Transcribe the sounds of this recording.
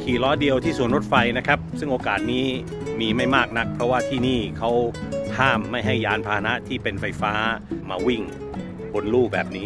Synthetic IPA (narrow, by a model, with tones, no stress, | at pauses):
kʰiː˨˩lɔː˦˥di˧əwt̪ʰiː˥˩su˩˦ənɾo˦˥t̪̚fa˧jna˦˥kʰa˦˥p̚sɯ˥˩ŋʔoː˧kaː˨˩t̪̚niː˦˥ | miː˧ma˥˩jmaː˥˩k̚na˦˥k̚pʰɾɔ˦˥waː˥˩t̪ʰiː˥˩niː˥˩kʰa˦˥whʰaː˥˩mːa˥˩jɦa˥˩jːaː˦˥npʰaː˧na˦˥ʔt̪ʰiː˥˩pe˧nfa˧jfaː˦˥maː˧wi˥˩ŋ | bo˧nluː˥˩k̚bɛː˨˩p̚niː˦˥